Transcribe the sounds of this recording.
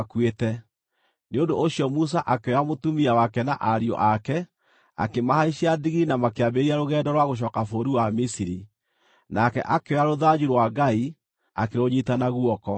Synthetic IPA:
akwetɛ | neondoʔːɕjɔmus̬aʔakeamotumiawakɛna̰ʔaɾiɔ̰ʔakɛ | a̰kemahaiɕaðiɣiinamakeabeɾiaɾoɣɛːdɔɾwaɣoɕ̬ɔːkafoːɾiwamisiɾi | nakɛ̰ʔakeaɾoðad͡ʑuɾwaɡai | a̰keɾoɲitanaɣwɔkɔ

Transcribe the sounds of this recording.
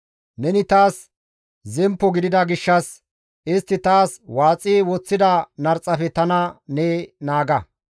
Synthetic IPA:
nɛnɪt̪aːs | zɛmpːɔɡɪd̪ɪd̪ɐɡɪʃːɐs | ɪst̪ːɪt̪aːswaːt͡sʼiːwɔt͡sːɪd̪ɐnɐɾt͡sʼːɐfɛt̪ɐnɐneːnaːɡɐ

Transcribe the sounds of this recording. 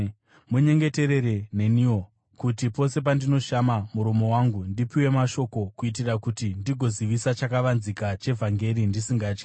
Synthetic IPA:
muɲe̞ŋɡe̞te̞ɾe̞ɾe̞ne̞nio | kutipo̞se̞p̬andino̞ʃamamuɾomo̞waŋɡundipiwe̞maʃo̞ko̞kuit̬irakutindiɡʱo̞ziʋisat͡ʃakaʋanzikat͡ʃe̞vʱaŋɡe̞ɾindisiŋɡaːt͡ʃki̥

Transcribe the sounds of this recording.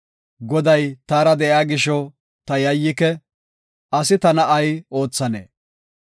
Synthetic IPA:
ɡɔd̪ɐjt̪aːɾɐd̪ɛʔjaːɡɪʃɔ | t̪ɐjɐjːɪkɛ | ʔɐsɪt̪ɐnɐʔɐjo̞ːt͡sːɐnḛː

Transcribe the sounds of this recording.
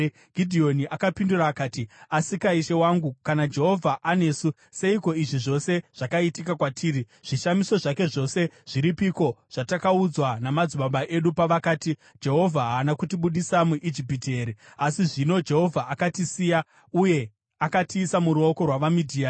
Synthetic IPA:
ɡʱidʱio̞niʔakapinduraːkaːtiasikaiʃe̞waŋɡukanad͡ʒe̞ɦo̞vʱaʔane̞ːsu | se̞iko̞iʐiʐo̞se̞ʐ̥akaitikakwatʰiːɾi | ʐ̥iʃamiso̞ʐake̞ʐo̞se̞ʐ̥iɾipiko̞ʐ̥atakaud͡zwanamad͡zuɓaɓaʔe̞ɗupaʋakaːti | d͡ʒe̞ɦo̞vʱaɦaːnakutiɓuɗisamuʔid͡ʒipite̞ɾiasiʐino̞d͡ʒe̞ɦo̞vʱaʔakatisiːja | uje̞ | akatiːsamuɾuoko̞rwaʋamidʱiːa

